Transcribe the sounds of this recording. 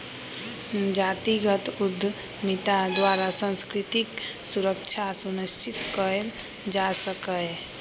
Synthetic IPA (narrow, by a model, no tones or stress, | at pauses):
d͡ʒaːt̪iɡət̪ud̪ʱː | mit̪ad̪waɾasə̃nskɾɪt̪iksuɾək̚t͡ʃʰasuniʃt͡ʃɪt̪kəɾel | d͡ʒasəkə